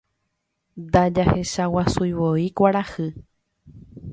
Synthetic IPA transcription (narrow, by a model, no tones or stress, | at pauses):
d̪ad͡ʒahe̞ʃawasujʋoikʷaɾahɨ